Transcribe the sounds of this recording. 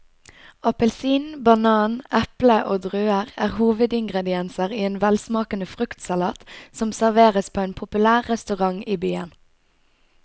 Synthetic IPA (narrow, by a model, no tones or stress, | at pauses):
ɑpəlsiːnbɑnɑːnʔɛpləʔoːd̪ʁøːəʁæːʁhuːʋəd̪ɪŋɡʁɛd̪ɪɛnsəʁiːeːnʋɛlsmɑːkənəfʁʉkt̪sɑlɑːt̪sɔmsæʁʋeːʁəspʰoːeːnpʰʊpʉlæːʁːɛst̪ʉʁɑŋiːbyːə̰n